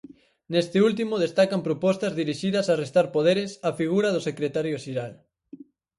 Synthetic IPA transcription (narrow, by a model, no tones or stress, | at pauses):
nest̪ɪult̪imʊðest̪akɐmpɾopɔst̪ɐzðiɾiʃiðɐsarest̪aɾpoðeɾɪsɐfiɣ̞uɾɐðʊsekɾet̪aɾjoʃeɾal